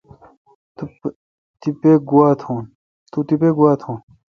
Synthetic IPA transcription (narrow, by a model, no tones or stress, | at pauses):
t̪u | t̪ipeɡuwaːt̪ʰõːn | t̪uʈ̪ipeɡuwaːt̪ʰõːn